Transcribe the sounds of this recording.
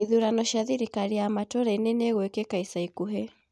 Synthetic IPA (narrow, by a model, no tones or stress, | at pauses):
iðuɾanɔʃaðiɾikaɾiamatɔɾainɛnɛɣuɛkɛkaisaikuɦɛ